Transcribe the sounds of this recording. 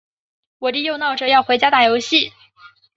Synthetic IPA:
wɔ˨˩t̪i˥˧jo˥˧ʊnɑ˥˩ʊʈ͡ʂɤ˥˧jɑ˥˩ʊxwe˧˥ɪt͡ɕja˥t̪a˥˩jo˧˥ʊɕi˥˩

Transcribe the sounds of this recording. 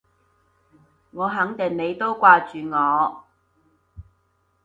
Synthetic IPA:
ŋɔː˨˧ɦɐ˨˥ŋt̪ɪ˨˩ŋne˨˧jt̪o˥wkʷaː˧t͡ʃyː˨ŋɔː˨˧

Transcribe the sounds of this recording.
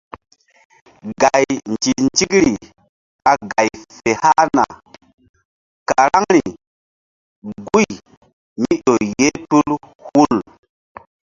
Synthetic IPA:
ɡa˨jnd͡ʒi˨nd͡ʒi˦kɾi˨ | ka˨ɡa˨jfe˨ha˦na̰˨ | ka˨ɾa˦ŋɾi˨ | ɡu˦j | mi˦ɗo˨je˦tu˦l | hu˦l

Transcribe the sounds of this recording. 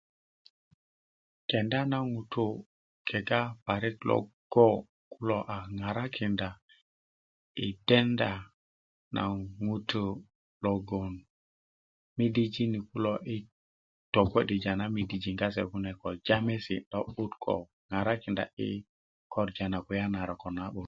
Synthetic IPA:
kɛ˨nda˦na˦ŋu˨t̪u˦ | kʰe˨ɡa˦pa˨ɾi˦tlɔ̰˨ɡ̥o˦ | ku˦lo˦ʔa˨ŋa˨ɾa˦kʰi˨nda˨ | i˨d̥e˦nda˦ | na̰˨ŋu˦tʰu˦ | lɔ˨ɡo˨n | mi˦di˦d͡ʒi˦ni˨ku˦lo˦ʔi˦ | tɔ˨kʷe˦di˨d͡ʒa˨na˦mi˨di˨d͡ʒi˨ŋɡa˦s̬ḛ˨ku˦nɛ˨kɔ˨d͡ʒa˦me˦sḭ˨ɗɔ˦ɓu˦tkʰɔ̰˨ | ŋa˨ɾa˦ki˨nda̰˨ḭ˦ | kɔ˦ɾd͡ʒa˨na˨ku˨ja˦na˨ɾa˨kɔ˨na˦ɓu˨

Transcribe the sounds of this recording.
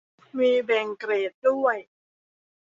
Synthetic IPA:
miː˧bɛ˨˩ŋkɾeː˨˩t̪̚du˥˩əj

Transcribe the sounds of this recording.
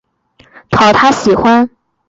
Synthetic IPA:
t̪ʰɑ˨˧˥ʊt̪ʰa˥ɕi˨˩xwa˥n

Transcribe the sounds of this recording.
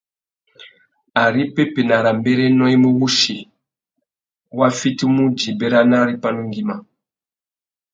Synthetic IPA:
a˨ɾi˦pe˦pe˨na˨ɾa˨mbe˦ɾe˦nɔ˦i˦mu˦wu˦ʃi˨ | wa˦fi˦ti˦mu˦d͡ʒi˨be˦ɾa˦na˦ɾi˦pa˦nu˦ŋɡi˦ma˨

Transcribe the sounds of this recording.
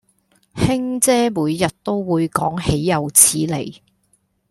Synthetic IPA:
hɪ˥ŋt͡sɛː˥muː˨˧jːɐ˨t̚t̪o˥wːuː˨˧jkɔː˨˥ŋhe˨˥jːɐ˨wt͡sʰiː˨˥le˨˩j

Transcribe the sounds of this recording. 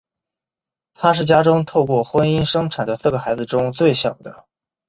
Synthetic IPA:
t̪ʰa˥ʂɻ̩˥˩t͡ɕja˥ʈ͡ʂʊ˥ŋt̪ʰo˥˧ʊkwɔ˥˩xwə˥ni˥nʂɤ˥ŋʈ͡ʂʰa˨˩nd̪ə˦sɹ̩˥˩ɡə˩xa˧˥ɪd͡zɹ̩˧ʈ͡ʂʊ˥ŋt͡swe˥˩ɪɕjɑ˨˩ʊd̪ə˦

